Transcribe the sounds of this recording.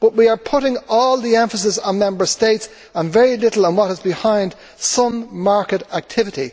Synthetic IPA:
b̥ʌʔ̚wiə˞pʰʊɾɪ̃ŋɔːlˠðiɛ̃ɱfəsɪsn̩mɛ̃mbə˞steɪts | ə̃nvɛɹilɪɾl̩ˠə̃nwʌɾɪzbɪhãɪ̃nd̥ | sʌ̃mmaɹkəɾak̚tʰɪvɪɾi

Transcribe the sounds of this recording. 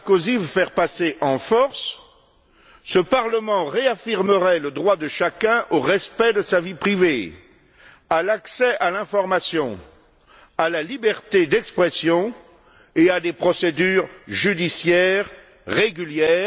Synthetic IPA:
kozivəfɛʁpaseʔɑ̃fɔʁs | səpaʁləmɑ̃ʁeafiʁməʁɛləd̪ʁwad̪əʃakɛ̃ʔoʁɛspɛd̪əsavipχive | alaksɛʔalɛ̃fɔʁmasjɔ̃ | alalibɛʁt̪ed̪ɛkspχɛsjɔ̃ | ead̪epχɔsed̪yʁʒyd̪isjɛːʁː | eɡʲyljɛː

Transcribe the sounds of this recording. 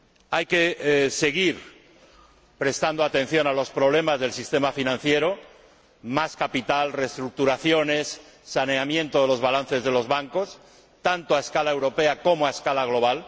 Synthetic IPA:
ajke̞se̞ɣ̞iɾ | pɾe̞st̪and̪oat̪ẽ̞n̟θjo̞nalo̞spɾo̞β̞le̞mazð̞e̞lsist̪e̞mafinãn̟θje̞ɾo̞ | maskapit̪alre̞st̪ɾuk̚t̪uɾaθjo̞ne̞sːaneamjẽ̞nt̪oðelo̞zβalan̟θe̞zðe̞lo̞zβaŋko̞s | t̪ant̪oaeskalaewɾo̞pe̞ako̞moaeskalaɣlo̞β̞al

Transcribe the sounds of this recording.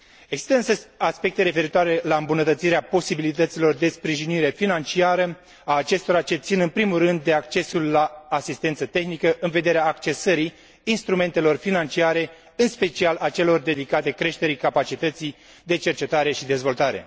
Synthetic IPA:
eɡsi̥st̪əɨsaspe̞k̚t̪e̞ɾe̞fe̞ɾit̪oaɾe̞laɨmbunət̪ət̪siɾeapo̞sibilit̪ət̪silo̞rd̪e̞spɾiʒiniɾe̞finant͡ʃiaɾə | aːt͡ʃe̞st̪o̞ɾat͡ʃe̞t̪sinɨnpɾimulrɨnd̪ːe̞ak̚t͡ʃe̞sulːaːsist̪e̞nt̪sət̪e̞xnikəʔɨnve̞d̪e̞ɾeaːkt͡ʃe̞səɾiː | nst̪ɾume̞nt̪e̞lo̞rfinant͡ʃiaɾe̞ | ɨnspe̞t͡ʃialʔat͡ʃe̞lo̞rd̪e̞d̪ikat̪e̞kɾe̞ʃt̪e̞ɾikapat͡ʃit̪ət̪si | d̪e̞t͡ʃe̞rt͡ʃe̞t̪aɾe̞ʃid̪e̞zvo̞lt̪aɾe̞̰

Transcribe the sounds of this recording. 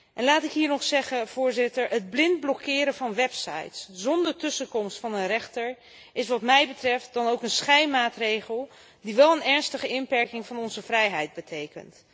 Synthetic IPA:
ʔɛnlaːtɪkɦiːɹnɔχsɛχəv̥ʊːɹzɪtəɹəd̚blɪndblɔkʰɪːɾəvɑnʋɛpsɑ̰jtszɔndəɹtɵsəkɔmstfɑnənrɛχtəɹ | ʔɪs̬ʋɑtmɛjbətrɛft̚dɑnowkənsχɛjmaːtrejχəlˠ | diʋɛlˠənɛɹnstəχəɪnpɛɹkɪŋvɑnɔnzəvrɛjɦɛjd̚bətʰejkə̰nt

